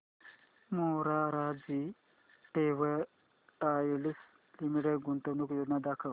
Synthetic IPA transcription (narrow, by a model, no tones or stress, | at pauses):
moɾaɾaːd͡zi | ʈewe | ʈaːjilis | limiʈeɡunt̪ɐnukjonɐd̪akʰɐ